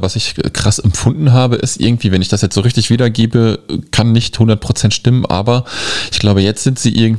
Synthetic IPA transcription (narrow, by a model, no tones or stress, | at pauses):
vasɪçkʁ̥asɛmpfʊndn̩ɦaːbəʔɪstʔɪ̰ɐɡŋ̩tv̥iːvɛnɪçd̥asjɛt͡stz̥oːʁɪçtɪçv̥iːdɐɡeːbəkʰanːɪçthʊndɐt̚pʁ̥ot͡sɛntʃtɪmənʔa̰ːbɐʔɪçɡ̥laʊbəjɛt͡stz̥ɪntz̥iːʔɪɐɡŋ̩t